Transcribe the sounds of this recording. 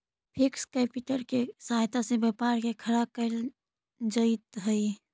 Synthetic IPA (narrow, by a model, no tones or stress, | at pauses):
pʰikskɛpuʈəɾkesajt̪asẽbjɛpaɾkekʰəɾakəl | d͡ʒət̪ɦəɪ